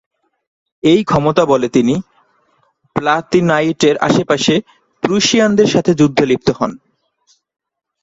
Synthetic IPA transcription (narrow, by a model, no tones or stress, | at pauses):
ejkʰɔmot̪abolet̪ini | plat̪inajʈeɾa̰ʃepaʃe | pɾuʃiand̪eɾʃat̪ʰed͡ʑud̪ʱːolip̚t̪oɦɔ̰n